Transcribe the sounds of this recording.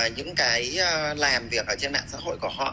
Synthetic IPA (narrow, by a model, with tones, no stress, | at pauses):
ɲɨ̰˧˥ŋkaː˨˦jlaː˨˩mvi˨˩ək̚ʔəː˧˩t͡ɕe˧nɗa̰ː˧˨ŋsa̰ː˧˥ho̰˧˨jku˧˩əhɔ̰˧˨